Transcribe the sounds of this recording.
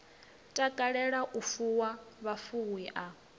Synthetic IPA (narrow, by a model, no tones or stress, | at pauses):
tʼakʼaɺɛɺaʔufuwaβafuwiʔa